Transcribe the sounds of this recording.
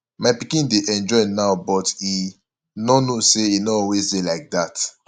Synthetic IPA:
maɪpikĩndeʔɛ̃nd͡ʒɔɪnaʊbɔti | nɔnoseinɔɔwezdelaɪk̚dat

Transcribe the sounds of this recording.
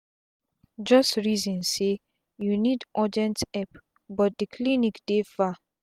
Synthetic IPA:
d͡ʒɔstɹizɔ̃nse | junidʔɔdiɛ̃ntɛp | bɔt̚dikʰlinikd̥efa

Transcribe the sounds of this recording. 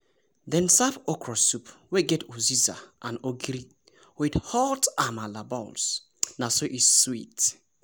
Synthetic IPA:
dɛ̃nsapɔkʰɹɔsupweɡɛtʰuziza̰ʔãnoɡɾi | widhɔtamalabɔls | nasoʔiswit

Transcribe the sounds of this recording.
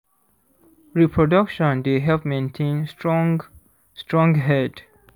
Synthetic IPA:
ɹipʰɹɔdakʃɔ̃ndeɦɛlpmẽntʰẽnsɔ̃ | stɹɔ̃ŋɡɦɛd

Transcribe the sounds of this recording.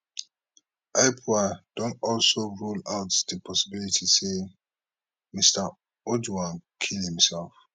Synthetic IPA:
aɪpʰuad̥õnɔlsoɹulaʊtdəpʰɔsibilitʰise | mista | odwãnkʰilhĩmsɛlf

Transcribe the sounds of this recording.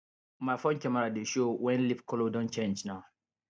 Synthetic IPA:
mafɔ̃nt͡ʃamaɾadeʃowɛ̃nlipkɔlodɔ̃nt͡ʃẽnd͡ʒnaw

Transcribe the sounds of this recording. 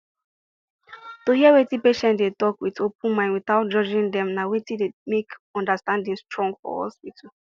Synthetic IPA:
tohiɛwetipeʃɛ̃ntdetɔkwitopũnmãɪ̃nwiθaʊt̚d͡ʒɔd͡ʒĩndɛ̃mnawetidemekɔ̃ndastãndĩnstɹɔ̃ŋɡfɔ̰hɔ̰spitu

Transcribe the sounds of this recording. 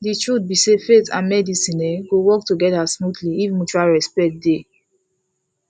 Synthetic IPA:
ditɹut̚bisefetãmɛdisĩnɛɡowɔk̚tuɡɛdasmudliifmut͡ʃaɹɛspɛkt̚de

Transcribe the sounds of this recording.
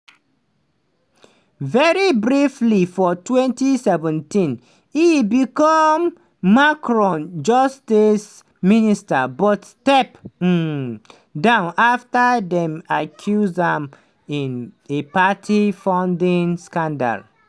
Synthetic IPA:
vɛɹibɹiflifɔtwɛ̃ntisɛvɛ̃ntĩn | ibikɔmː | akɹɔ̃nd͡ʒɔstis | ministabɔtstɛp̩ | dãʊ̃naftadɛ̃makʰjuzãm | ĩnepatʰifãʊ̃ndĩnskãnda̰l

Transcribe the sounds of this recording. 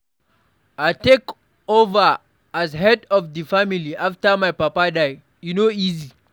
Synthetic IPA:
ʔatek | ova | ʔazɦɛdɔfdifamiliʔaftamajpɐpadaj | unoʔizi

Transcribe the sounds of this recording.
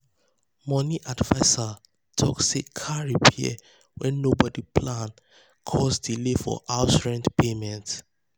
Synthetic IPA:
mɔniʔadvaɪsa | tʰɔ̰ksikʰaɹipʰiɛ̰ | wɛ̃nːobɔdipʰlãn | kʰɔsdilefɔ̰ʔaʊtɹɛ̃ndpʰemɛ̃nt

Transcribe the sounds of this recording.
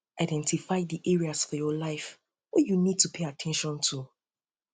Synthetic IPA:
aɪdɛ̃ntifaɪðiʔɛɹiasfɔjɔlaɪf | wɔjunid̚tʰupʰeɪatʰɛ̃nʃɔ̃ntʰu

